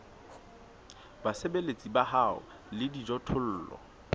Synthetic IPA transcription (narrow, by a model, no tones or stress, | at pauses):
basebelet͡sʼibaɦaʊ̰ | lɪdid͡ʒɔtʰʊl̩ːlɔ̰